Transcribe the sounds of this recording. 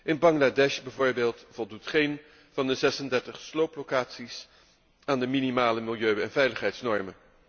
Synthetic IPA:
ʔɪnbɑŋladɛʃbɛvʊːɹbeːlˠtvɔlˠdutχejn | vɑndəzɛsəndɛɹtəχslowplokaːtsis | aːndəminimaːləmilˠjøɥɛnvɛjləχɦɛjtsnɔɹmən

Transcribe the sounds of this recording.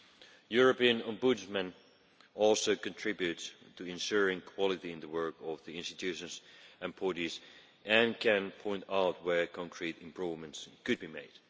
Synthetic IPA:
jʊɹəpiɨ̃nə̃mbud͡ʒmɨ̃n | ɔlˠsoʊkɨ̃ntʰɹ̥ɪbjʉtstʰːɨɪ̃nʃʊɹɪ̃ŋkʰw̥ɑlˠɨɾiɨ̃nðəwɜ˞kʌvðiɪ̃nstɨtʰʉʃɨ̃nzɨ̃npʰɔɾiz | ʔɨ̃nkʰɨ̃npʰɔ̃ɪ̃ntaʊt̚wə˞kʰɑ̃ŋkʰɹ̥iɾɪ̃mpʰɹ̥uvmɨ̃ntskɨd̚bimeɪd̥

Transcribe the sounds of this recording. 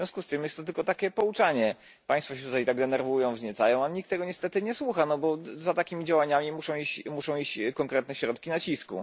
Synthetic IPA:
vvjɔ̃skust̪ɘmjɛst̪ːɔt̪ɘlkɔt̪akʲɛpɔut͡ʂaɲɛ | paj̃sfɔɕɛt̪ut̪ajt̪aɡd̪ɛnɛɾvujɔ̃w̃vzɲɛt̪sajɔ̃w̃aɲik̚t̪ːɛɡɔɲɛst̪ɛt̪ɘɲɛswuxanɔbɔzat̪akʲimʲid͡ʑawaɲamʲimuʂɔ̃w̃iɕt͡ɕmuʂɔ̃w̃it͡ɕkɔŋkɾɛt̪nɛɕɾɔt̪kʲinat͡ɕiskṵ

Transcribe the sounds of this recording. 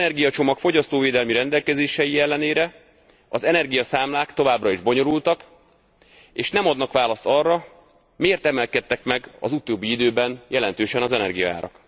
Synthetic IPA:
nɛrɡijɒt͡ʃo̞mɒkfo̞ɟɒst̪oːveːd̪ɛlmiɾɛnd̪ɛlkɛzeːʃɛjiɛlːɛneːɾɛ | ɒzɛnɛrɡijɒsaːmlaːkt̪o̞vaːbrɒiʒbo̞ɲo̞ɾult̪ɒk | eːʃnɛmɒd̪nɒkʋaːlɒst̪ɒrːɒ | meːrt̪ɛmɛlkɛt̪ːɛkmɛɡɒ̰zut̪oːbːiid̪øːbɛnjɛlɛnt̪øːʃɛnɒzɛnɛ̰rɡijɒ̰a̰ːɾɒ̰k

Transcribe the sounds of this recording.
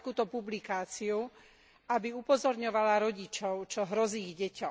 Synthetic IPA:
kuːt̪ɔpublikaːt͡siu | ʔabiupɔzɔɾɲɔʋalaɾɔɟit͡ʃɔʊt͡ʃɔɦɾɔziːɣɟɛcɔ

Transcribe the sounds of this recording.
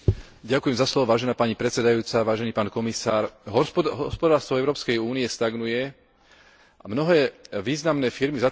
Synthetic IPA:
ɟakujɛmzaslɔʋɔʋaːʒɛnaːpaɲipɾɛt͡sɛd̪ajuːt͡saʋaːʒɛniːpaːnkɔmisaːɾɦɔɦɔspɔd̪aːɾst̪ʋɔɛʊɾɔːpskɛjuːniɛst̪aɡnujɛ | ʔamnɔɦɛːʋiːznamnɛːfiɾmiza

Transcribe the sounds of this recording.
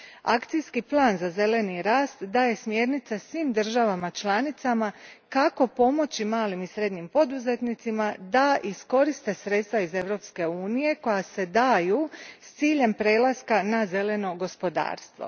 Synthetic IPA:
a̰kt̪sijskiplˠaːnzaze̞le̞niɾaːst̪d̪aje̞smje̞ːɾnit̪sasʋiːmd̪r̩ʒaʋamat͡ʃlˠaːnit̪samakako̞po̞mo̞t͡ɕimaːlimisɾe̞d̪ɲimpo̞d̪uze̞t̪nit̪simad̪aʔisko̞ɾist̪e̞sɾe̞t̪st̪ʋaize̞ʋɾo̞pske̞uːnije̞ko̞jase̞d̪aːjust̪siːʎe̞mpɾe̞ːlˠaskanaze̞le̞no̞ɡo̞spo̞d̪a̰ːɾst̪ʋo̞̰

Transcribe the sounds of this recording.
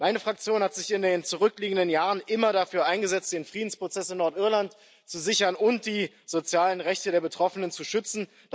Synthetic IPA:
maɪnəfʁ̥ak̚t͡sjoːnhatz̥ɪçɪndeːnt͡suʁʏkliːɡŋ̩dənjaːʁənʔɪmɐɾafyːɐʔaɪnɡəzɛt͡std̥eːnfʁ̥iːdn̩spʁ̥ot͡sɛsɪmnɔɐtʔɪɐlant | t͡suzɪçɐnʊnt̚d̥iː | zot͡sjaːlənʁɛçtədeːɐbətʁ̥ɔfənənt͡suʃʏt͡sn̩ | d

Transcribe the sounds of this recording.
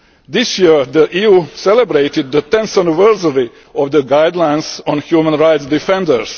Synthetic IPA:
d̪ɪsjiɹd̪əʔiːjuːsɛlɛbɾeɪt̪ɪd̪̚ːət̪ɛ̃nsanɪvɜɹsəɹi | ɔvd̪əɡaɪd̪lãj̃nsɔ̃nhjuːmə̃nɹaɪt̪sd̪ifɛ̃ndəɹs

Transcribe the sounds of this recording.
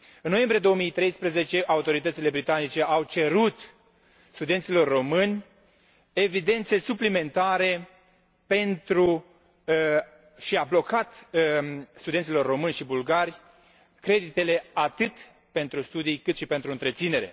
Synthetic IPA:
ɨnno̞je̞mbɾije̞d̪o̞omijt̪ɾe̞jspɾeze̞t͡ʃe̞ʔaut̪o̞ɾit̪ət̪sile̞bɾit̪anit͡ʃe̞awt͡ʃe̞ɾut̪ | st̪ud̪e̞nt̪silo̞rːo̞mɨnʲ | e̞vid̪e̞nt̪se̞suplime̞nt̪aɾe̞ | pe̞nt̪ɾu | ʃiablo̞kat̪ | st̪ud̪ent̪silo̞rːo̞mɨnʲʃibulɡaɾʲ | kɾe̞d̪it̪e̞le̞at̪ɨt̪ | pe̞nt̪ɾust̪ud̪ijkɨt̪ʃipe̞nt̪ɾuɨnt̪ɾe̞t̪sine̞ɾe̞̰

